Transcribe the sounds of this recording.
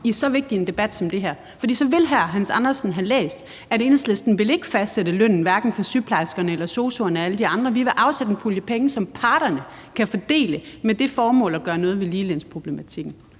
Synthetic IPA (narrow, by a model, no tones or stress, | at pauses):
isɒ̽ʋe̝ɡ̥̚d̥iend̥e̝b̥æd̥sɒ̽md̥e̝ɦæɐ̰fɒ̽d̥ḭːsɒ̽ʋe̝lɦæɦænsɑ̈nɐsn̩ɦælḛːsd̥ | æɾ̥e̝ːnslesd̥n̩ʋe̝le̝ɡ̥əfæsd̥sed̥əløn̰n̩ʋæɐɡ̥n̩fɒsypʰlɑ̈ɪsɡ̥ɐnəelɐso̝ːso̝ɐnəæləd̥iɑ̈nd̥ʁɐʋiʋe̝ʔɑ̈ʊsed̥ənpʰuljəpʰeŋəsɒ̽mpʰɑ̈ːɾ̥ɐnə | kʰæfɒd̥e̝̰ːləmed̥e̝fɒːmɔ̰̽ːlæɡ̥ɶːɐnɔ̽ːð̞̩ˠʋe̝liːlenspʰʁo̝b̥le̝mæt͡sʰiɡ̥n̩